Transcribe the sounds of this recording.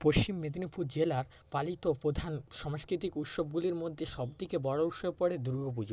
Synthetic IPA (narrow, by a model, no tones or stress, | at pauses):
poʃt͡ɕimːed̪ʱinipʰuɾd͡ʑelaɾ | palit̪opɾod̪ʱanʃɔmoskɾit̪ikut̪ʃob̚ɡuliɾmod̪ʱːeʃɔbd̪ikebɔɽouʃɔepɔɽed̪uɾɡop̬ud͡ʑo